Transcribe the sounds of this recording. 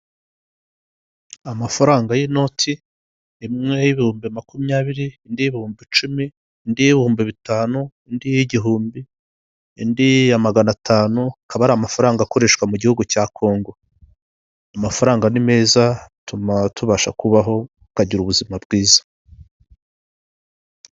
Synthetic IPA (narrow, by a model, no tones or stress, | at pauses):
amafaɾaːŋɡajeno̞tʰiː | mŋe̞jiβihuːmbimakumɲaːβiɾiːndijeβihuːmbit͡ʃumiː | ndijiβihuːmbiβitaːnuindiiɟiɦuːmbiː | ndijamaɡanatʰaːnuakaβaɾaːmafaɾaːŋɡako̞ɾe̞ʃkwamuɟihuɡucakʰo̞ːŋɡo̞ | amafaɾaːŋɡanime̞ːzatumatuβaʃa̰kuβaɦo̞ | kaɟiɾuβuzimabɡiːzḁ